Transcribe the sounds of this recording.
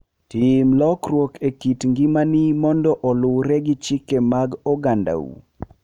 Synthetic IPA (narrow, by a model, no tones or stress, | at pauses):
timlɔkrwokekitŋɡimanimɔndɔʔɔlʊwɾɛɡit͡ʃɪkemaɡɔɡanda̰ṵ